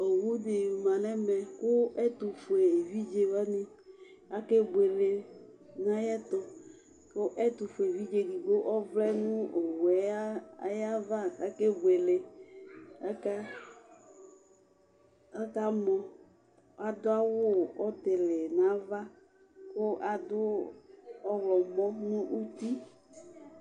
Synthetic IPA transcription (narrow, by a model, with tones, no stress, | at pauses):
o˨wu˦dɪ˨u˨mã˨nɛ˦mɛ˨kʊ˦ɛ˦t̪u˨fʊ˨e˨vi˦d͡ʒe˨wa˦nɪ̃˦ | a˦ke˦ɡ͡be˨le˨ | nã˦jɛ˦t̪ɔ˨ | kʊ˦ʔɛ˦t̪ʊ˨fe˨vi˦d͡ʒe˨ɡi˨ɡo˦ʔɔ˦vlɛ˦nũ˦o˨wɛ˨˦a˦a˦ja˦va˦a˨˦ke˦ɡ͡be˨le˨ | a˦ka˦ | a˦ka˦mɔ̃˨ | a˨d̪ʊ˦a˦wʊ˦ɔ˦t̪ɪ˨lɪ˨nã˨˦va˦ | kʊ˦ʔa˨d̪ʊ˦ | ɔ˦wlɔ˨˦ɡ͡bɔ˦nʊ̃˦ʔu˦t̪i˦